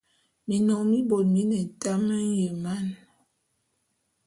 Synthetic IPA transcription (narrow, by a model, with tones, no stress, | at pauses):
mi˨nɔ˨ŋmi˦bo˨t̚mi˦nɛ˨ta˦mə˦n˦je˨ma˦˨n